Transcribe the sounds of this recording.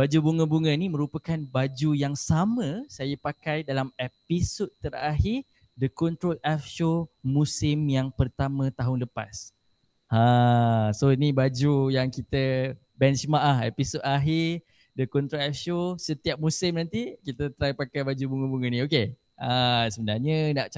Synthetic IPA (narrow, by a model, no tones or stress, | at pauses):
bad͡ʒubuŋə̃buŋə̃nĩmə̃ɾupəkanbad͡ʒujaŋsamə̃sajəpakajdalamepisot̪̚t̪əɾaɦɪr | dəkɔnt̪ɾolɛfʃomũsɪmjaŋpərt̪amə̃t̪aɦʊnləpa̰s | ãsoinibad͡ʒujaŋkit̪ə | bɛnt͡ʃmaʔahḛpisot̪aɦi | dəkɔnt̪ɾolɛfʃosət̪iap̚mũsɪmnãnt̪ikit̪ət̪ɾajpakajbad͡ʒubuŋubuŋanĩoke | asəbənarɲənaʔt͡ʃa